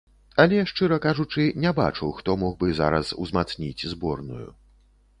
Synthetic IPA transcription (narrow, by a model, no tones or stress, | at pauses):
ɐlʲɛʂt͡ʂɨɾɐkaʐut͡ʂɨnʲɛba̰t͡ʂɐwxt̪ɔmɔɣbɨza̰ɾɐ̰sṵzmat̪snʲit͡sʲzbɔrnṵjṵ